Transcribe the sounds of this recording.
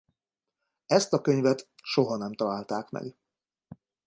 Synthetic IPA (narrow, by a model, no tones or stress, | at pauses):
ɛst̪ɒkøɲvɛt̪ʃo̞ɦɒnɛmt̪ɒlaːlt̪aːkmɛ̰ɡ